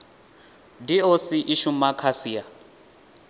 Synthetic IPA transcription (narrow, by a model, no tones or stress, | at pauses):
diosiʔiʃumakʰasia